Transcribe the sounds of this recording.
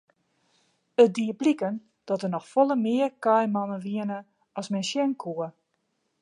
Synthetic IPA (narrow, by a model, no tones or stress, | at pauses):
ət̚diəblikən | d̥ɔtənɔxfɔlˠəmɪərkajmɔnəʋiənə | ɔsmɛnsjɛnkʰuə